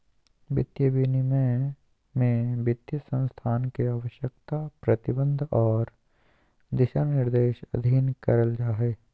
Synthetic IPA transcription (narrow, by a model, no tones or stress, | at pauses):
bɪt̪jəbinimẽ | mẽbɪt̪jəsə̃nst̪ʰaːnkeaːʋəʃjəkt̪apɾət̪ɪbə̃nd̪ʱɔːɾ | d̪ɪʃanɪɾd̪eːʃɐ̰d̪ʱiːnkəɾəld͡ʒaːɦɛː